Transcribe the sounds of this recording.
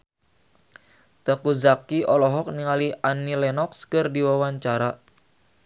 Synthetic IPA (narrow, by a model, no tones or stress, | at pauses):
t̪əkuzakiɔlɔɦɔk̚niŋaliʔanilɛnɔkskɨrdiwawaɲt͡ʃaɾa